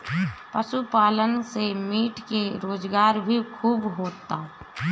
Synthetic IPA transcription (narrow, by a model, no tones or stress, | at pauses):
pəʃupaːlənsemiːʈkeɾoːd͡ʒɡaːɾbʱikʰuːbɦoːt̪ːaː